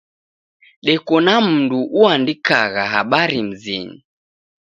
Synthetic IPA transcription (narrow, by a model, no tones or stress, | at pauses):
ɗɛkɔnam̩nduʔuandikaɣaɦaɓaɾim̩zḭɲi